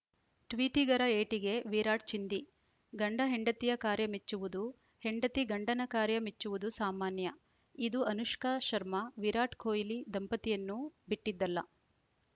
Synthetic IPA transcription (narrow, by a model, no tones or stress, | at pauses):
ʈʋiːʈiɡɐɾɐeːʈiɡe̞ʋiɾaːʈ̚t͡ʃind̪i | ɡɐɳɖɐɦeɳɖɐt̪ijɐkaːɾjɐmet͡ʃːuʋud̪u | he̞ɳɖɐt̪iɡɐɳɖɐnɐkaːɾjɐmet͡ʃːuʋud̪usaːmaːnjɐ | id̪uʔɐnuʂkɐʃɐɾmɐʋiɾaːʈkʰoːjilid̪ɐmpɐt̪ijɐnːubiʈːid̪ːɐlːɐ